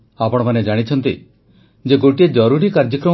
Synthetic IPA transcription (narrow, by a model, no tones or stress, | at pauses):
apɔɽ̃ɔmaned͡ʒaɽ̃it͡ʃʰɔnt̪ḭ | d͡ʒeɡoʈied͡ʒɔɾuɾikaɾd͡ʒɔkɾɔ